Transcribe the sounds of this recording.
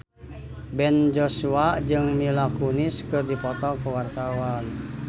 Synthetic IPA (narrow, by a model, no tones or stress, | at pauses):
bɛnd͡ʒɔsuad͡ʒɨŋmilakuniskɨrdipɔt̪ɔkəwart̪awan